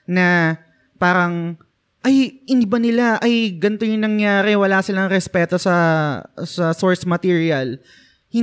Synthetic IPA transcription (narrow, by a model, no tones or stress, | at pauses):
nɐ | paːɾɐŋ | ʔɐjhɪnd̪ibɐnɪlaʔɐjɡɐnt̪ojʊŋnɐŋjaːɾɛwɐlaːsɪlɐŋɾɛspɛːt̪o̞sɐ | sɐsoɹsmɐt̪iːɹiɐl | hɪ